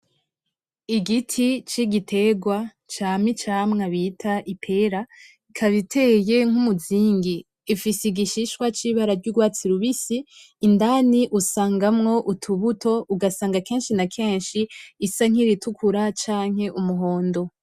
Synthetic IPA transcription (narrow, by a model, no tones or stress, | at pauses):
iɡitʰit͡ʃiɡitʰe̞ɡwa | t͡ʃaːmit͡ʃaːmŋaβitʰaʔipʰe̞ɾa | ikʰaβitʰeje̞ŋ̥umuziːŋɡiː | fisiɡiʃiʃkwat͡ʃiβaɾaɾɟuɡwaːt͡siɾuβisiː | ndaniʔusaːŋɡamŋo̞ʔutʰuβutʰo̞uɡasaːŋɡake̞ːnʃinakʰe̞ːnʃiːsaŋ̥iɾitukʰuɾat͡ʃaːŋ̥he̞ʔumuɦo̞ːndo̞